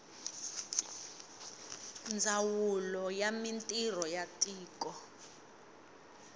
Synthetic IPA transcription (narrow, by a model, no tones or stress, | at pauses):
nd͡zʱawulɔjamintʼirɔjatʼiːkʼɔ